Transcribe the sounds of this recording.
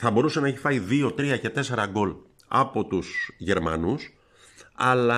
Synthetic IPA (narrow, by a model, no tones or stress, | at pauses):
θɐbo̞ɾuse̞nɐeçifɐiðio̞t̪ɾiɐce̞t̪e̞se̞ɾɐɡo̞l | ɐ̰po̞t̪usʝe̞ɾmɐ̰nus | ɐlɐ